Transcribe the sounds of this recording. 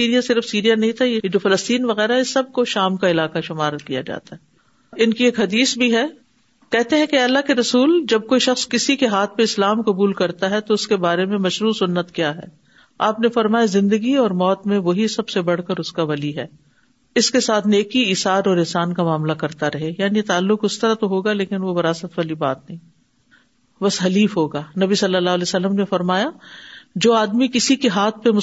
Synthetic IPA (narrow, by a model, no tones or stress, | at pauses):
iːɾijasɪɾəfsiːɾijanɐɦĩt̪ʰajejed͡ʒoːfɐləst̪iːnʋɐɣɛːɾaɦɛɪsːɐb̚koʃaːmkaɪlaːqaʃʊmaːɾkija̰d͡ʒa̰ːt̪aɦɛː | ɪnkieːkɦɐd̪iːsbʱiɦɛː | kɛɦt̪eɦɛ̃keɐlːaɦkeɾɐsuːld͡ʒɐb̚koːiʃɐxskɪsikeɦaːt̪̚ʰpẽɪslaːmkɐbuːlkɐɾt̪aɦɛt̪oʊskebaːɾemẽmɐʃɾuːsʊnːət̪kjaːɦɛ̰ː | aːpnefɐɾmaːjazɪ̃nd̪əɡiɔːɾmɔːt̪mẽʋoɦisɐbsebɐɽ̤kəɾʊskaʋɐliɦɛː | ɪskesaːt̪ʰneːkiɪːsaːɾɔːɾɪnsaːnkamaːmlakɐɾt̪aɾɐɦejaːniet̪aːlːʊkʊst̪ɐɾat̪oɦoːɡaleːkɪnʋobɐɾaːsət̪ʋaːlibaːt̪nɐɦĩː | bɐsɦɐliːfɦoːɡaːnɐbisɐlːəlːaːɦːlɛːsɐlːəmnefɐɾmaːjad͡ʒoːaːd̪mikɪsikeɦaːt̪̚ʰpemʊ